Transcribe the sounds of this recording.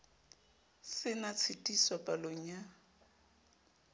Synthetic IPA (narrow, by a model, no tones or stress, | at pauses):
sɪnat͡sʰɪtʼiswapʼaloŋ̩ja